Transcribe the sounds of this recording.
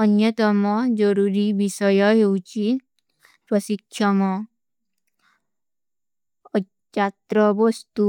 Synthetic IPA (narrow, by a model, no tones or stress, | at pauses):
ʌnjʌt̪ɔmɔd͡ʒɔɾuɾiʋisɔjɔɦewt͡ʃi | pɾɔsikʃʰɔmɔ | t͡ʃat̪ɾɔʋɔst̪u